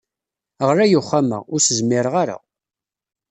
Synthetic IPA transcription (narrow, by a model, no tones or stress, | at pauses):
əʁɾæjʊχːamə̰ʁʊɾsəzmːɪɾəʁaɾa̰